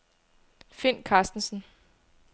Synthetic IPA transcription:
fen̰kʰɑ̈ːsd̥n̩sn̩

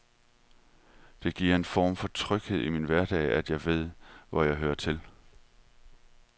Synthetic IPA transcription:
d̥e̝ɡ̥iɐ̰e̝nfɒ̰ːmfɒ̽t͡sʰʁœɡ̥he̝ð̞̰ˠiminʋæɐd̥ɛ̰ɪæd̥jɑ̈ɪʋe̝ð̞̰ˠʋɒjɑ̈ɪɦøːɐt͡sʰe̝l

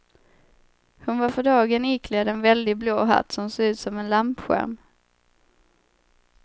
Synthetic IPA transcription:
hʊnvaɾfœɖɑːɡənɪːkʰleːd̪ɛnvɛld̪ɪɡbloːɦa̰t̪ːsɔmsoːɡʉ̟ːt̪sɔmɛnlampɧæ̰ɾm

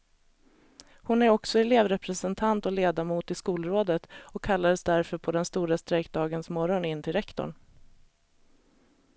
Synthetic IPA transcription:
hʊnæɾɔksɔɛleːvɾɛpɾɛsənt̪ʰant̪ɔleːd̪amuːt̪ɪskuːlɾoːd̪ət̪ɔkʰːalːad̪əsd̪æɾfœɾpʰɔd̪ɛnst̪uːɾast̪ɾɛkd̪ɑːɡənsmɔɾɔnɪnːt̪ʰɪlɾɛkt̪ɔ̰ɳ

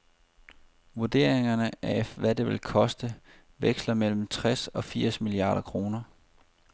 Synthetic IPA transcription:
ʋuɐd̥e̝ɐ̰eŋɐnəæʋæde̝ʋe̝lkʰɒ̽sd̥ə | ʋeɡ̥slɐmel̰m̩t͡sʰʁasɒ̽fiɐ̰smiliɑ̰̈ːɾ̥ɐkʰʁo̝ːnɐ

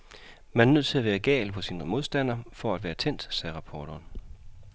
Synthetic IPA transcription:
mænæɐnøð̞̰ˠt͡sʰe̝læʋæːɐɡ̥ɛ̰ːlpʰɒ̽siːnmo̝ð̞ˠsd̥æn̰ɐfɒ̽æd̥ʋæːɐt͡sʰen̰d̥sɛːʁɑ̈pʰɒːd̥ʰɒːn

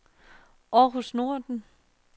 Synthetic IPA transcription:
ɒɦosno̝ɐ̰d̥n̩

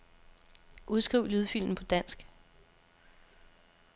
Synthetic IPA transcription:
ʔuð̞ˠsɡ̥ʁiʊlyðˠfil̰mn̩pʰɒ̽d̥æn̰sɡ̥

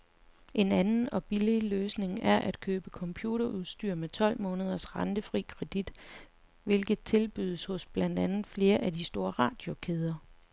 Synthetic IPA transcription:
ʔe̝nænn̩ɒ̽b̥ililøːsne̝ŋæɐʔæd̥kʰøːb̥əkʰɒ̽mpʰjuːɾɐʔuð̞ˠsd̥yɐ̰met͡sʰɒ̽l̰mɔ̽ːnəð̞ˠɐsʁɑ̈nd̥əfʁḭːkʰʁɛd̥id̥ | ʋe̝lɡ̥ð̩ˠt͡sʰe̝lb̥yðˠəshɔ̽sb̥lænd̥ænð̩ˠfle̝ːɐʔæd̥isd̥o̝ːɐʁɑ̈ːd̥jo̝kʰeð̞ˠɐ

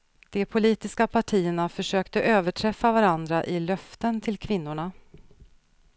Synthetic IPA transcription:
d̪̥ɛpʰʊliːt̪ɪskapʰaʈʰiːəɳafœʂøːkt̪əʔøːvəʈʰɾɛfːavaɾand̪ɾaʔɪlœft̪ənt̪ʰɪlkʰvɪnːʊɳa

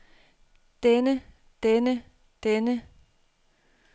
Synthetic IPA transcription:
d̥enə | d̥enə | d̥enə

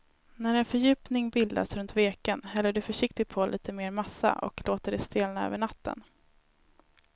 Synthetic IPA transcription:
næɾɛnfœɾjʉ̟ːpnɪŋbɪld̪a̰sɾɵnt̪veːkənhɛlːəɖɵfœʂɪk̚t̪ɪɡ̚pʰɔlʔḭːt̪ʰəmeːɾmasːa̰ʔɔ̰kloːt̪əɖɛst̪eːlnaø̰ːvəɳat̪ːə̰n

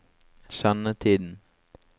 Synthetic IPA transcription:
sɑnət̪ʰiːd̪n̩

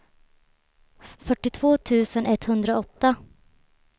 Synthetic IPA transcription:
fœʈːɪt̪ʰvoːt̪ʰʉ̟ːsənɛt̪hɵnd̪ɾaɔt̪ːa

